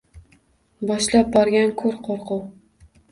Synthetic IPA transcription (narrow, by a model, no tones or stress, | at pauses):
bɒʃlap̚bɒɾɡʲankʰɵɾqʰoɾqʰʊw